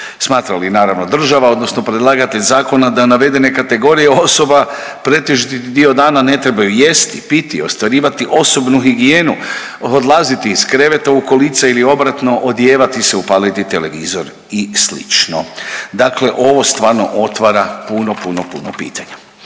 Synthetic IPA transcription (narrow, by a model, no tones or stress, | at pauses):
smaːt̪ɾalinaːɾaʋno̞d̪r̩ʒaʋao̞d̪nosno̞pɾed̪lˠaːɡat̪eʎzaːko̞nad̪anaʋe̞d̪e̞ne̞kat̪e̞ɡo̞ɾijeo̞so̞ba | pɾe̞t̪eʒit̪it̪id̪io̞d̪aːnane̞t̪ɾe̞bajuje̞st̪ipit̪iost̪ʋaɾiːʋat̪iʔo̞so̞bnuɦiɡije̞ːnu | od̪lˠaːzit̪iːskɾe̞ʋe̞t̪aukolit̪sailio̞bɾat̪no̞ʔod̪jeːʋat̪ise̞upaːlit̪it̪e̞leʋiːzoɾ | islḭt͡ʃnod̪akle̞ʔo̞ʋo̞st̪ʋaːɾno̞̰ʔo̞t̪ʋaɾapunopunopṵno̰pḭːt̪ʰaɲa